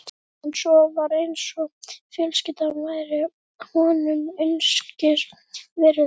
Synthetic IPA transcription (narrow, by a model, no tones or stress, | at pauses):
ɛnsɔvaɾejnsɔfjœlscɪt̪anvajɾɪ | hɔnʏmœnscɪɾ | vɛːɾɪ